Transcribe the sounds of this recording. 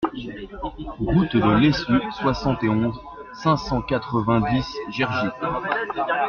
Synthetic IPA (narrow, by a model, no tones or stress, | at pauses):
ʁut̪d̪əlesyswasɑ̃t̪eɔ̃z | sɛ̃sɑ̃kat̪χəvɛ̃d̪isʒɛʁʒi